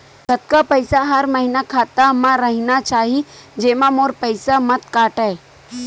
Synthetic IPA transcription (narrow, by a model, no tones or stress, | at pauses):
ɡʱɐt̪̚kapɐɪsaɦɐɾmɐɦinakʰaːt̪amãɾɐɦinat͡ʃaːɦid͡ʒeːmãmoːɾpəɪsamɐt̪kaːʈɛ